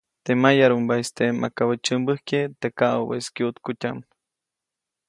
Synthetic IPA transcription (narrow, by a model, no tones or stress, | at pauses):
t̪emajaɾumbaest̪emʔakawət͡ʃəmbəhket̪ekaʔobḛskjut̪kutʲam